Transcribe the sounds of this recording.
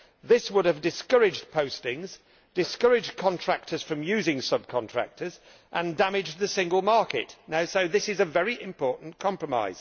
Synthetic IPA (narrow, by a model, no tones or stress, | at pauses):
ðɪswʊɾəvdɪskʌɹɪd͡ʒpʰəʊstɪ̃ŋz | d̥ɪskʌɹɪd͡ʒkʰɒ̃ntʰɹ̥æk̚tʰəz̥fɹə̃mjʉːzɪ̃ŋsʌb̚kʰɒ̃ntɹ̥æ̰k̚tʰəz | ʔə̃ndamɪd͡ʒðɨsɪ̃ŋɡəlˠmɑɹkɪ̰ʔnaʊsoʊðɪsɪzəvɛɹiʔɪ̃mpʰɔɹʔn̩kʰɒ̃mpɹəma̰ɪz̥